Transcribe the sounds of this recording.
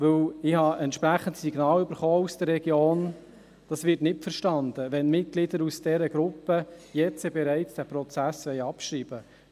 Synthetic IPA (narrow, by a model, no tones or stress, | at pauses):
ʋɵwɪhɑʔɛntʃpɾæχən̩tsiɡnɑːlʏb̥əɾχɔːusd̥əɾːɛɡjoːn | d̥ɑsʋɪɾtnɪtfəɾʃtɑnd̥əʋɛnmɪt̚ɡ̥lɪdəɾusd̥ɛɾəɡɾʊpːəjɛt͡sɛbɛɾæɪt͡sd̥æːpɾɔt͡sæsʋɛjɑpʃɾiːb̥ə